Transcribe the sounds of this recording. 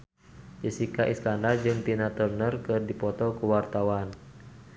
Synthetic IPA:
d͡ʒəsikaʔiskandard͡ʒɨŋt̪inat̪ərnərkɨrdipɔt̪ɔkuwart̪awan

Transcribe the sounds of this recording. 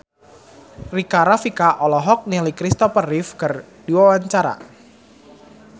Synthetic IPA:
rikaɾafikaʔɔlɔɦɔk̚nilikɾist̪ɔfərɪfkər | d̥iwawaɲt͡ʃaɾa̰

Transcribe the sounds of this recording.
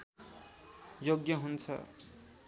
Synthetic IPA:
joɡjʌɦunt͡sʰʌ̰

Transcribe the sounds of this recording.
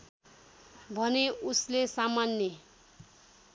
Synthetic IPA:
bʱʌneuslesamanje

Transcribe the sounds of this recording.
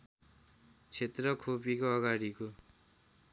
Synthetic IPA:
t͡sʰet̪rʌkʰopikoʌɡaɽiko

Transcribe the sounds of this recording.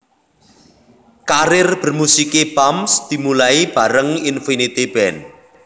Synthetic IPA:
kaɾɪrb̥ə̤rmusikebamsd̪̥i̤mulaib̥a̤ɾəŋinfinit̪ib̥ɛn

